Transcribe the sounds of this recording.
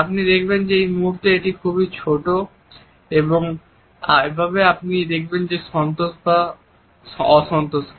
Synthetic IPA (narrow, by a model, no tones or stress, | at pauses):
apnid̪ekʰbend͡ʑeejmuɦuɾt̪eeʈikʰubit͡ɕʰoʈo | eboŋ | aebʱaβeapnid̪ek̚ʰbend͡ʑeʃɔnt̪oʃba | ɔʃɔnt̪oʃ